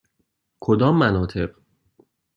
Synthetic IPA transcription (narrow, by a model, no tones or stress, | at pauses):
kʰod̪ɒːmːænɒːt̪ʰe̞ɢ